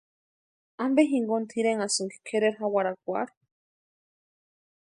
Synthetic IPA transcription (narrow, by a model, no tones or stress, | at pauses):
ambeɦiŋɡont̪ʰiɾeŋasɨŋɡikʰeɾeɾɦawaɾakʷa̰ɾ